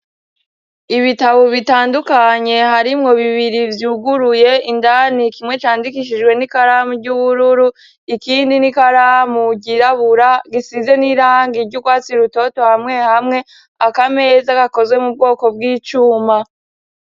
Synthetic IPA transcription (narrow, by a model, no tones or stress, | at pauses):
iβitaβoβitaːndukaɲe̞haɾimŋo̞βiβiɾivjuːɡuɾuje̞indanikimŋe̞t͡ʃaːndikiʃ̬id͡ʒɡwe̞nikaɾaːmuɾɟuβuɾuɾu | ikiːndinikaɾamuɟiɾaβuɾaɡisize̞niɾaŋɡiɾɟukwaːt͡siɾuto̞to̞hamŋe̞hamŋe̞ | akame̞ːzakako̞zwe̞mub̚ɡo̞ːko̞bɡiːt͡ʃuːma